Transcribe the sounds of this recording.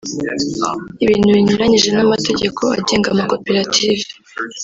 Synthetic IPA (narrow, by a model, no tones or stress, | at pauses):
iβiːn̥huβiɲuɾaɲiʒe̞namate̞ɟe̞kʰo̞a̰ɟe̞ːŋɡamako̞peɾatʰive̥